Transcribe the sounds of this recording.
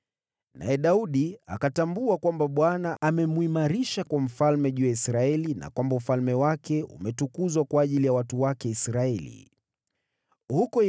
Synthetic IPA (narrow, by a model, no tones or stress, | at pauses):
na̰ɛɗauɗia̰katambuakwambaɓwanaʔamɛmuimaɾiʃakwam̩falmɛʄuːjaisɾaɛlina̰kwambaum̩falmɛwakɛṵmɛtukuzwakwaːʄilijawatuwakɛisɾaɛlḭ | hukɔ